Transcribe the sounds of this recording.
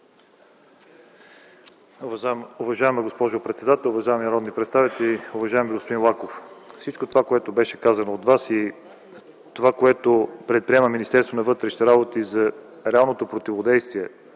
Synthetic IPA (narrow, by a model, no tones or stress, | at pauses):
ʊvɐʒaɛməɡospɔʒopɾɛt̪sɛd̪at̪ɛlˠʊvɐʒaɛminɐɾɔd̪nipɾɛt̪st̪avit̪ɛliʊvɐʒaɛmbiɡospod̪inlˠakoffsit͡ʃkot̪ovakoɛt̪obɛʃɛkazɐnoːt̪vasi | t̪ovakoɛt̪opɾɛt̪̚pɾiɛməminist̪ɛɾst̪vonɐvɤt̪ɾɛʃnɛɾabot̪izɐ | ɾɛalˠnot̪opɾot̪ivod̪ɛjst̪viɛ